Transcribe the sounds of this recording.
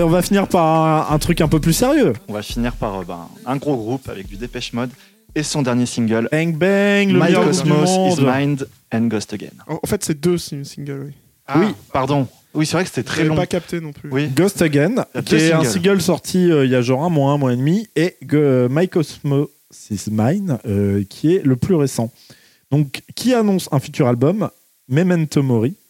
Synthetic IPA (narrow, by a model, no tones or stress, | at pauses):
eɔ̃vafiniʁpaʁɛ̃ɛ̃t̪χykɛ̃pøplyseʁjøɔ̃vafiniʁpaʁøbɛ̰̃ɛ̃ɡʁoɡʁupa̰vɛk̚d̪yd̪epɛʃmɔd̪ | esɔ̃d̪ɛʁnjesĩŋɡʲœlbɛ̃ŋkbɛŋləmɛjʁɡʁupdmmɔ̃d̪majnd̪ | ɛ̃nɡɔst̪əɡɛ̰ñɑ̃fɛt̪sed̪øsisĩŋɡʲœlwi | wipaʁd̪ɔ̃ | wisɛvʁɛkəse̥t̪ɛt̪χɛɛɔ̃pakap̚t̪enɔ̃plywiɡɔst̪əɡɛnkiɛɛ̃sĩɡœlsɔʁt̪ʰiøiljaʒɑ̃ʁɛ̃mwãmwaed̪mieɡmajkɔsmo | sizmajnøkʲʰiɛləplyʁesɑ̃ | d̪̥ɔ̃kːianɔ̃sɛ̃fyt̪yʁalbɔmː | emɛ̃nt̪omɔʁi